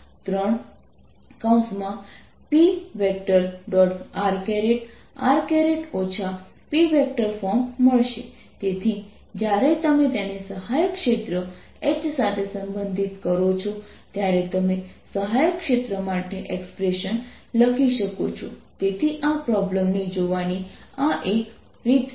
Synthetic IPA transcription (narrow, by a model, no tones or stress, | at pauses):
t̪ɾəɳ | kaw̃smã | piʋek̚ʈəɾɖɔʈʰaɾkeɾeʈ | aɾkeɾeʈot͡ʃʰa | piʋek̚ʈəɾfɔmməɭʃe | t̪et̪ʰi | d͡ʒjaɾet̪əmet̪enesəɦajəkʃet̪ɾə | et͡ʃsat̪ʰesəmbənd̪ʱit̪kəɾot͡ʃʰɔ | t̪jaɾet̪əmesəɦajəkʃet̪ɾəmaʈeʔekspɾeʃən | ləkʰiʃəkot͡ʃʰɔ̰t̪et̪ʰiʔapɾɔbləmnid͡ʒoʋaniaʔek | ɾit̪